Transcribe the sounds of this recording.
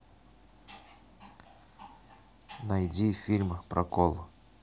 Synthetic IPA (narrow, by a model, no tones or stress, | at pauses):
nɐjdʲifʲilʲmpɾʔɐkolˠʊ